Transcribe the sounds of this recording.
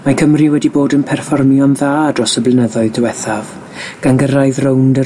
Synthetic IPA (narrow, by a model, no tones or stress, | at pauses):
makʰəmriwɛdiboːdənpʰɛrfɔrmjɔnðaːdrɔsəblɪnəðɔɨðdəwɛθav | ɡ̥anɡəɾaɨðrowndə